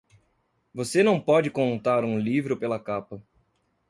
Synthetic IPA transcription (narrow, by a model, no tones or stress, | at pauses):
vosenɐ̃w̃pɔd͡ʒɪkõnt̪aɾũlivɾʊpelɐkapɐ